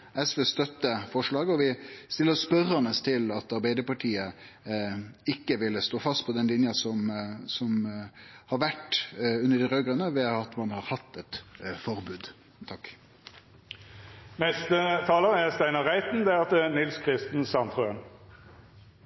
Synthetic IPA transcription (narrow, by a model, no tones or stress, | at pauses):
ɛsʋeːst̪œt̪ːəfɔʂɭɑːɡəɔʋɪst̪ɪlːəspœrɑnəst̪ʰɪlɑt̪ɑɾbæɪd̪əpɑʈʰiːə | ɪkːəʋɪlːəst̪oːfɑst̪̚pʰɔd̪ɛnlɪnjɑsɔmsɔm | hɑɾʋæʈːʉnːəɖɪɾøːɡʁənəʋɛɑt̪mɑnhɑɾhɑt̪ːɛt̪fɔɾbʉːd̪ | t̪ʰɑkː | mɛst̪ət̪ʰɑːləʁæst̪æɪnəʁæɪt̪n̩d̪ɛæɑt̪ɛnɪlskʰʁɪst̪n̩sɑnt̪ʁøən